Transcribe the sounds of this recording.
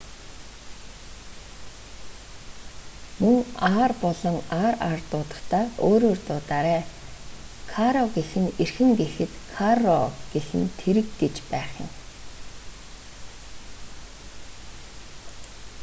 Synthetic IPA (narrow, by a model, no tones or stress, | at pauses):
mɵŋaːrpɔɮɞ̆ŋaːrart̪ʊːt̪ə̥̆χt̪ʰaːoːɾoːrt̪ʊːt̪aːɾæː | kʰaɾɔɡexɘ̆nerxɘ̆ŋɡexɘ̆t̪kʰarɔɡ̥exɘ̆nt̪ʰeɾɘ̆kɡet͡ɕpæːχə̰̆ŋ